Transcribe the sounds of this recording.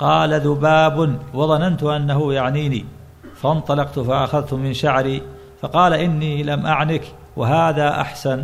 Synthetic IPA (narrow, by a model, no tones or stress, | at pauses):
qɑːlaðʊbaːbnwɑðˤɑnant̪ʊʔanːahʊjaʕniːniː | faɑʔnt̪ˤɑlɑqt̪ʊfaʔaxaðt̪ʊmɪnʃaʕɾiː | fɑqɑːlaʔɪnːiːlamʔaʕnɪk | waɦaːðaːʔa̰ħsan